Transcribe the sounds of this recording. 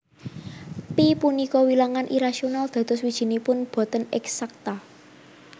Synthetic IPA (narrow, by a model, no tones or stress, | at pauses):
pipunikɔwilaŋanʔiɾaʃionald̪̥ä̤d̪̥ʊswid̥ʒ̥i̤nipʊnb̥ɔ̤t̪ənɛ̰ksak̚t̪a